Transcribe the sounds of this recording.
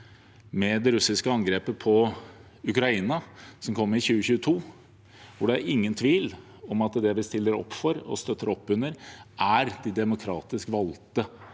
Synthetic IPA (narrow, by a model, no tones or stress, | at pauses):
mɛd̪ɛɾʉsɪskəɑŋɡɾeːpəpʰɔ | ʉkɾɑiːnɑsɔmkʰɔmːəɾɪçʉːəçʉːət̪ʰuː | ʋʊɖɛæɾɪŋːənt̪ʰʋiːl | ɔmɑt̪d̪ɛbəst̪ɪlːəɾɔ̰pːfɔɾɔ̰st̪œt̪ʰːəɾɔpːʉnːəɾʔæɾd̪ɪd̪ɛmʊkʰɾɑːt̪ɪskʋɑlt̪ə